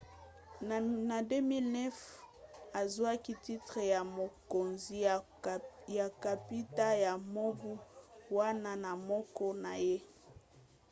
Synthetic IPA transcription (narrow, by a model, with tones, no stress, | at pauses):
na˨dø˦mi˦lnɛ˦f | a˨zwa˦ki˦ti˦tʁe˨ja˨mo˨ko˨nzi˨ | ja˨ka˨pi˦ta˦ja˨mo˦bu˦wa˦na˦na˨mɔ˦kɔ˦na˨je˦